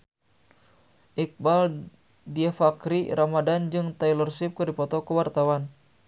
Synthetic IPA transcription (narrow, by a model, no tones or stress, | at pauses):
ʔik̚bal | diafakɾiɾamadand͡ʒɨŋt̪ajlɔrsip̚kɨrdipɔt̪ɔkəwart̪awan